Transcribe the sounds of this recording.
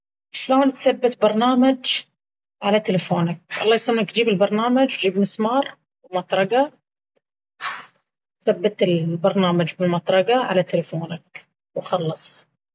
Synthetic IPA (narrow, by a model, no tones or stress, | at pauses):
ʃloːnt̪θabːat̪bɑɾˤnaːmad͡ʒ | ʕalat̪ɪlafoːnak̚ʔɑ̰lˤːɑːjsˤɑmːakd͡ʒiːbɪlbɑɾˤnaːmad͡ʒwd͡ʒiːbmɪsmɑːɾˤ | wmɑt̪ˤɾˤɑɡa | θabːat̪ɪlbɑɾˤnaːmad͡ʒbɪlmɑt̪ˤɾˤɑɡaʕa̰lat̪ɪlafoːnak | wxɑlːɑsˤ